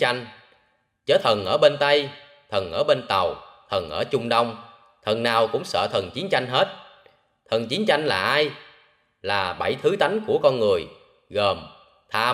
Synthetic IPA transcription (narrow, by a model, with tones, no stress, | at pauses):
a˧jŋ̟ | t͡ɕəː˨˦t̪ʰə˨˩nʔəː˧˩ɓe˧nt̪ə˧j | t̪ʰə˨˩nʔəː˧˩ɓe˧nt̪ə˨˩wt̪ʰə˨˩nʔəː˧˩t͡ɕʊ˧ŋ͡mɗə˧wŋ͡m | t̪ʰə˨˩nnaː˨˩wkʊ̰˧˥ŋ͡msə̰ː˧˨t̪ʰə˨˩nt͡ɕi˨˦nt͡ɕa˧jŋ̟ɦe˦˥t̚ | t̪ʰə˨˩nt͡ɕi˨˦nt͡ɕa˧jŋ̟laː˨˩ʔaː˧j | laː˨˩ɓa˧˩jt̪ʰɨ˨˦t̪a˨˦jŋ̟ku˧˩əkɔ˧nŋɨ˨˩əj | ɣəː˨˩m | t̪ʰaː˧